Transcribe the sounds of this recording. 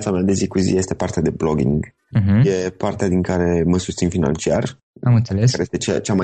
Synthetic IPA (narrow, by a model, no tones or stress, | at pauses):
t̪samead̪e̞zikuzḭje̞st̪e̞part̪ead̪e̞bloɡḭŋɡ̩ | ɦ̩je̞part̪ead̪iŋkaɾe̞məsust̪sinfina̰nt͡ʃiar | amɨnt̪selekaɾejest̪et͡ʃt͡ʃama